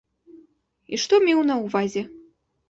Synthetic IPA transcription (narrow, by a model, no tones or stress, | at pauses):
iʂt̪ɔmʲiwnɐwvazʲɛ